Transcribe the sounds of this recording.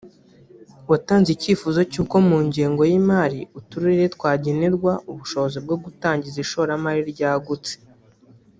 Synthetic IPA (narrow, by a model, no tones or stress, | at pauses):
wataːnziciːfuzo̞cuːko̞muːɲɟiːŋɡo̞jimaːɾiutuɾiɾiɾetwaːɟeneɾɡwauβuʃo̞βozib̚ɡoɡutaːɲɟiziʃo̞ɾamaɾiɾɟaːɡut͡se̥